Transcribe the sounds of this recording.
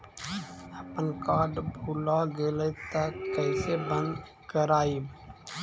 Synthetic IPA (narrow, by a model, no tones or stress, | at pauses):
əpənkaːɖbʱulaɡeləɪt̪əkəɪsebə̃nd̪ | kəɾaːi